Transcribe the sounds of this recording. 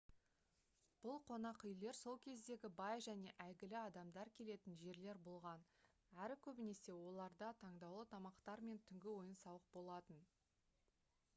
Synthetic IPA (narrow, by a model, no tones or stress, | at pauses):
b̥ʊlˠqʰo̞nɑqʏjle̞ɾso̞lˠkʲʰe̞zd̪e̞ɡʲɪbɑjʒæne̞ʔæjɡʲɪlɪɑd̪ɑmd̪ɑɾkʲʰe̞le̞t̪ɪnʒe̞ɾle̞ɾbolˠʁɑn | æɾɪkʲʰɵbɪne̞se̞wo̞lˠɑɾd̪ɑt̪ʰɑɴd̪ɑwlˠət̪ʰɑmɑqt̪ɑɾme̞nt̪ʰʏŋɡʲɪwo̞jənsɑwəq̚bo̞lˠɑt̪ən